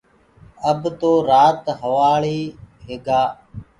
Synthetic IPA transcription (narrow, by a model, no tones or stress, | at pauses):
əbt̪oːɾaːt̪ɦəʋaːɭiːɦeːɡaː